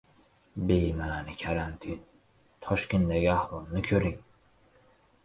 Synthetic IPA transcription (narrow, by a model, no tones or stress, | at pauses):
bejmaːnɪkʲʰaɾant̪ʰin | t̪ʰɒʃkʲend̪aɡʲiahwɒlˠnɪkʲʰɵɾiŋ